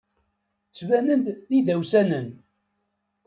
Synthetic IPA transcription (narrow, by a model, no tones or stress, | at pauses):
t͡sːvænənd̪ðiðæwsænən